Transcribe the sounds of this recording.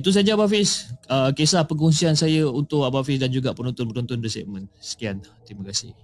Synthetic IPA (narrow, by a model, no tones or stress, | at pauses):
it̪us̬ad͡ʒaabafɪsəkesahpəŋunsiansajaunt̪ʊʔabafɪs̬dand͡ʒuɡaʔpənɔnt̪ʊnpənunt̪ʊnisɛ̰ʔ̚mə̃nsə̥kiant̪imakasɪh